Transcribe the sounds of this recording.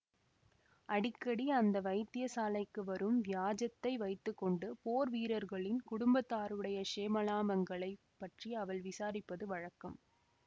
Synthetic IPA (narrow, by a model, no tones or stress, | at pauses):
ʔɐɽɪkːɐɽiɐnd̪ɐʋɐɪt̪ːɪjɐsaːlɐɪkːɯʋɐɾɯmʋjaːd͡ʒɐt̪ːɐɪʋɐɪt̪ːɯkːɔɳɖɯpoːɾʋiːɾɐɾɣɐɭɪnkʊɽʊmbɐt̪ːaːɾɯɽɐjɐʂeːmɐlaːmɐŋɡɐɭɐɪ | pːɐʈriɐʋɐɭʋɪsaːɾɪpːɐðɯʋɐɻɐkːɐm